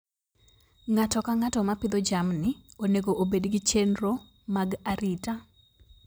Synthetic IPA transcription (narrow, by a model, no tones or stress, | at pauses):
ŋatɔkaŋatɔmapɪd̪od͡ʒamnɪoneɡoʔobedɡɪt͡ʃenɾo | maɡaɾita